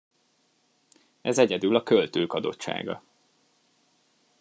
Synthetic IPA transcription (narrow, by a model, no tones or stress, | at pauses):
ɛzɛɟɛd̪ylɒkølt̪øːkɒd̪o̞̰tt͡ʃːʃa̰ːɡɒ̰